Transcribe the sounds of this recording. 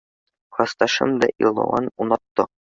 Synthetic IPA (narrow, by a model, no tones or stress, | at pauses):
χɒst̪ɑʃɤ̰md̪ɒ̰ʔḭlˠɑ̰wɑ̰nunɑt̪ːɤ